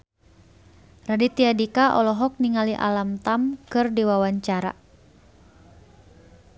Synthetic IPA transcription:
radit̪iadikaʔɔlɔɦɔk̚niŋaliʔa̰lamt̪amkɨrdiwawaɲt͡ʃaɾa̰

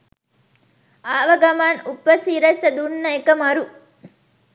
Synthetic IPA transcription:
aːʋɐɡɐmaːnupːɐsiːɾɐsɐd̪unːɐjkɐmɐɾu

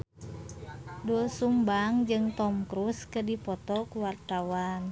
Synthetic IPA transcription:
dulsumbaŋd͡ʒɨŋt̪ɔmkɾuskədipɔt̪ɔkuwart̪awan

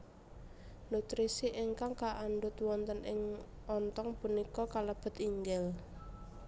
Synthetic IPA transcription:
nut̪ɾisiʔɪŋkaŋkaʔanɖʊt̪wɔnt̪ənɪŋ | ʔɔnt̪ɔŋpunikɔkaləb̥ə̤t̪iŋɡɛl

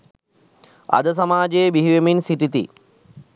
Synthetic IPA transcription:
ɐ̰d̪əs̬ɐmaːd͡ʒejbiɦiʋeminsiʈit̪ḭ

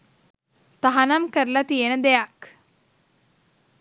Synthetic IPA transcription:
t̪ɐɦɐnɐmkɐɾlɐt̪ijɐnɐd̪ejak

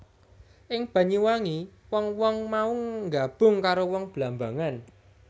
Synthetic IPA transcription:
ʔɪŋb̥a̤ɲiwaŋiwɔŋwɔŋmauŋɡab̥ʊ̤ŋkaɾowɔŋb̥lamba̤ŋan

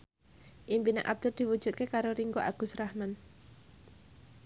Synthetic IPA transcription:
ʔimpina̰ŋʔa̰b̚d̪̥ʊrd̪̥i̤wud̥ʒ̥ut̪̚kekaɾoɾiŋɡoʔaɡ̥ʊ̤srahman

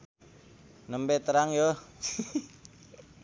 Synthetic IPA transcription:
nəmpɛt̪əɾaŋjo

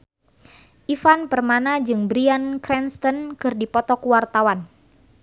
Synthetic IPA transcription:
ʔifanpərmanad͡ʒɨŋbɾiankɾɛnst̪ɔnkɨrdipɔt̪ɔkuwart̪awan

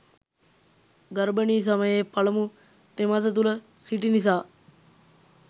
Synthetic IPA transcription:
ɡɐɾbəniːs̬aməjeːpɐləmu | t̪emas̬ət̪̬ulə | siʈinis̬aː

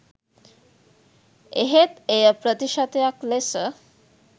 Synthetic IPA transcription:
eɦet̪ejəpɾət̪iʃat̪ejaklesə

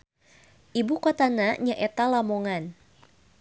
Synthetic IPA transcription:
ʔibukot̪anaɲaʔɛt̪alamoŋan

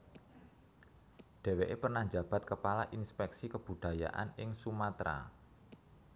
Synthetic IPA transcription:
ɖ̥e̤weʔepərnahd͡ʒa̤b̥a̤t̪̚kəpalaʔinspɛksikəb̥ṳd̥a̤ja̰ʔa̰nɪŋsumat̪ɾa̰

